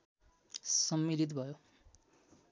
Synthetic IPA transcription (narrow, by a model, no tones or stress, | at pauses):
sʌmːilit̪̬bʱʌjo